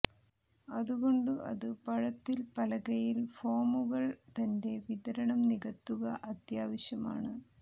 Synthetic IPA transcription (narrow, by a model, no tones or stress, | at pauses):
ɐðuɣo̞ɳɖɨʔɐ̰ðɨpɐɻɐt̪ːilpɐlɐɣɐjilfoːmuɣɐɭt̪ɐnde̞ʋiðɐɾɐɳɐmniɣɐt̪ːuɣɐʔɐt̪jaːʋɐɕjɐma̰ːɳɨ